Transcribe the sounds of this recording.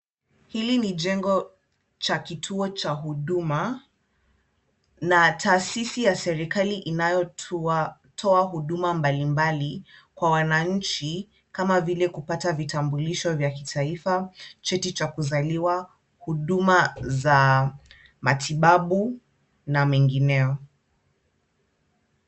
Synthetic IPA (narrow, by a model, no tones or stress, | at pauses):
hilinid͡ʒɛŋɡɔ | t͡ʃakitʰuɔt͡ʃaɦuɗuma | natʰaːsisijasɛɾikaliʔinajɔ | tʰɔaɦuɗumambalimbalikwawanaɲ̩t͡ʃi | kamavilɛkupatavitambuliʃɔvjaki̥tʰaifat͡ʃɛtit͡ʃakuzaliwa | huɗumaza | matʰiɓaɓu | namɛŋɡinɛɔ